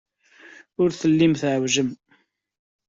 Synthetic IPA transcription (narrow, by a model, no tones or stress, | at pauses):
ʊɾθəlːimθʕəwʒəm